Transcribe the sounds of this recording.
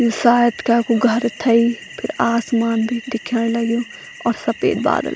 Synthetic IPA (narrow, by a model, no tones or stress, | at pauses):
jɪsaːjət̪kaːkuɡʱəɾt̪ʰɐiː | pʰɪɾaːsmaːnbʱiːd̪ɪkʰːəɽ̃ləɡjõː | ɔːɾsɐpḛːd̪̚ba̰ːd̪ə̰l